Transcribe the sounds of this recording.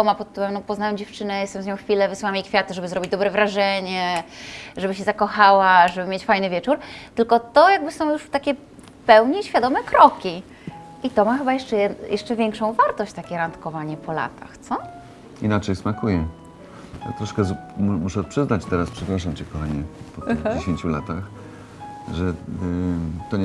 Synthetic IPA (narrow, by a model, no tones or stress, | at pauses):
ɔmapɔt̪t̪ːuɾɛmnɔpɔznawɛmd͡ʑɛft͡ʂɘnɛjɛst̪ɛmzɲɔ̃w̃xfʲilɛvɘswamʲikfʲjat̪ɘʐɛbɘzɾɔbʲid͡ʑd̪ɔbɾɛvɾaʐɛɲɛ | ʐɛbɘɕɛzakɔxawaʐɛbɘmʲet͡ɕfajnɘvʲɛt͡ʂuɾt̪ɘlkɔt̪ɔjaɡ̚bɘsɔ̃w̃juʂt̪akʲɛ | pɛwɲɛɕfʲad̪ɔmɛkɾɔkʲi | ʔit̪ɔmaxɘbajɛʂt͡ʂɛɛjɛʂt͡ʂɛvʲjɛŋkʂɔ̃w̃vaɾt̪ɔɕt͡ɕt̪akʲɛɾant̪kɔvaɲɛpɔla̰t̪ʰa̰xt̪sɔ | inat͡ʂɛjsmakujɛ | ja̰t̪ɾɔʂkɛmmuʂɛpʂɘznat͡ɕt̪ɛɾaspʂɛpɾaʂamt͡ɕɛkɔxaɲɛpɔt̪d͡ʑeɕeɲt͡ɕula̰t̪ax | ʐɛ | t̪ɔɲ